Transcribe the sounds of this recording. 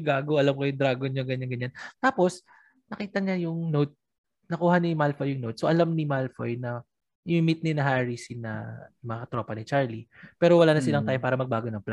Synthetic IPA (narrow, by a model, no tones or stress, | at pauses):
ɡaːɡoʔɐlamkojʊŋd̪ɾaːɡoɲoŋɡɐɲːɐnɡɐɲant̪aːpo̞s | nɐkiːt̪ɐɲajʊŋnowt̪̚ | nɐkuːhɐnimalfojʊŋnot̪̚soʔɐlamnɪmalfo̰jnɐ | ʔɪɪmit̪̚nɪnɐɦaɹisinɐmɐkɐt̪ɾo̞pɐnɪt͡ʃaɹlipɛːɾowɐlaːnɐsɪlɐŋt̪aːjopaːɾɐmɐɡ̚baːɡonɐŋpla